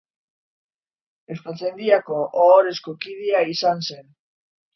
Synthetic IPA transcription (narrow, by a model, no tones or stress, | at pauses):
espat͡se̞nd̪iako̞ʔːɾe̞sko̞kið̞eaisanse̞n